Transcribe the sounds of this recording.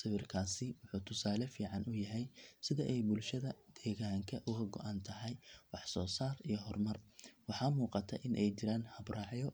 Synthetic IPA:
sɪβɪrkʰaːsɪwʊħuːt̪ʰʊsaːlɛfiːʕɑnʔʊjɐɦɛjsɪðɐʔɛjbʊlʃɐðɐd̪̥ɛːɣaːŋkʰɐʔʊɣɐɡɔ̰ʔant̪ʰɐɦɛjwɑħsɔːsaːrijɞɦɔrmɐrwɑħɑːmuːqɑt̪ʰɐʔɪnʔɛjt͡ʃɪɾaːnhɐbrʔɑːʕjɔ

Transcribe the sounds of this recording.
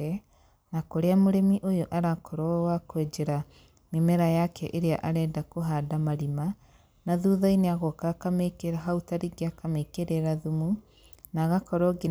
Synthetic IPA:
ɛ | nakoɾeamoɾemiʔojoʔaɾakʰɔɾɔwakwɛd͡ʒɛɾa | memɛɾajakɛʔeɾeaʔaɾɛːdakoɦadamaɾima | naðuðaineaɣɔkakamekeɾaɦautaɾiɡeakamekeɾeɾaðumu | naɣakɔɾɔɡi

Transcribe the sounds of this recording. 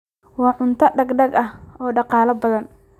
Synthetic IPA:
wɑːʕʊnt̪ʰɐɖɐɡɖɐɡɐhɔːɖɑqɑːlɐbɐðɐn

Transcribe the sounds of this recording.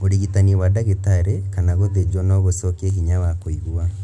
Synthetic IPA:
oɾiɣitaniewadaɣetaɾekanaɣoðed͡ʒɔnɔɣosɔkeɦiɲawakoiɣua

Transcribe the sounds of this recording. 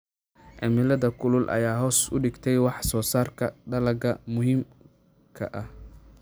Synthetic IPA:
ʕɛmɪlɐðɐkʰʊlʊlʔɐ̰jaːɦɔːsʊ̰ɖɪɡt̪ʰɛjwɑħsɔːsaːrkʰɐɖɐlɐɡɐmʊɦiːm | kʰɐ̰ʔɐh

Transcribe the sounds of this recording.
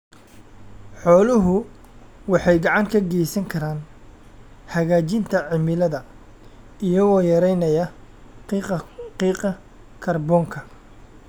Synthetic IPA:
ħɔːlʊɦʊ | wɑħɑjɡɑʕɑŋkʰɐɡɛjsɐŋkʰɐɾaːn | hɐɣaːt͡ʃɪnt̪ʰɐʕɪmɪlɐðɐ | ijɐɣɔːjɐɾɛjnɐjɐ | iːqɐ | kʰɐrbɔːŋkʰɐ

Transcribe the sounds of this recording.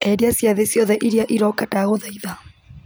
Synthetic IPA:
ɛɾiasiaðɛsjɔðɛʔiɾiaʔiɾɔkataɣoðaiða

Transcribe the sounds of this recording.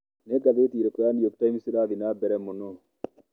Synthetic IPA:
nekɐðeːt̪iːɾɛkɔjanjok̚t̪ɐmɪsɪɾaːðɪnaːbɛɾɛmːʊno

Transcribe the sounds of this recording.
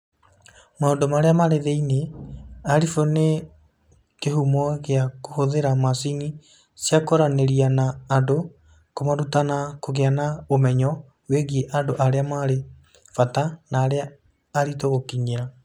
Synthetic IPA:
maondomaɾeamaɾeðeineaɾifone | keɦumɔɣeakohoðeɾamasini | sjakɔɾaneɾianaːdo | komaɾutanakoɣeanaomɛɲɔ | weɣieʔandoʔaɾeamaɾe | fatanaːɾeaː | ɾitoɣokiɲeɾa

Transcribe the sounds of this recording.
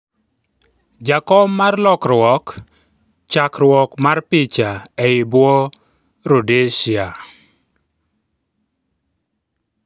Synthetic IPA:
d͡ʒakɔmːarlɔkrwɔk | t͡ʃakrwɔkmarpɪt͡ʃaɛɪbwɔ | ɾodeʃɪa

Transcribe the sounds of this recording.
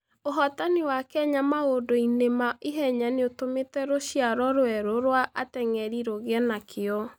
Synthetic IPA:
oɦɔtaniwakɛɲamaodoinemaiɦɛɲaneotometɛɾoɕiaɾɔɾoɛɾoɾwaʔatɛŋɛɾiɾoɣeɛnakʰeɔ

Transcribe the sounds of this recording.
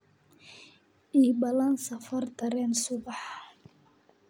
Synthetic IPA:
ʔiːbɐlɐnsɐfɐrd̪ɐɾɛːnsʊbɑħ

